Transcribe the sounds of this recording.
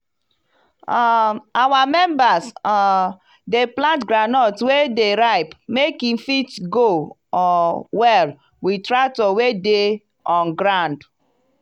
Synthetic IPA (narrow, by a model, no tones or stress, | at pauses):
aawamɛmbasa | deplãntɡɾanɔtwedeɾaɪpmekin̩fitɡo | ɔwɛl | witɾatowede | ɔ̃nɡɾãnd